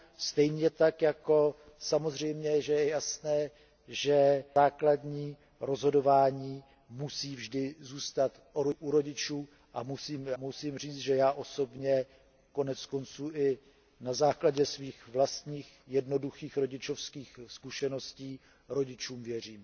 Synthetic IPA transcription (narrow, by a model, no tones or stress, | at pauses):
st̪ɛjɲɛt̪akjako̞ | samozr̝ɛjmɲɛʒɛjɛjasnɛː | ʒɛaːkladɲiː | ɾo̞zɦodo̞vaːɲiː | musiːvʒdɪzuːst̪at̪ʔoɾoʔuɾo̞ɟɪt͡ʃuː | ʔamusiːmamusiːmr̝iːt͡st̪ʒɛjaːʔo̞so̞bɲɛ | ko̞nɛt͡sko̞nt͡suːʔɪ | nazaːklaɟɛsviːxvlast̪ɲiːx | jɛdno̞duxiːxɾo̞ɟɪt͡ʃo̞fskiːxskuʃɛno̞sciː | ɾo̞ɟɪt͡ʃuːmvjɛr̝iːm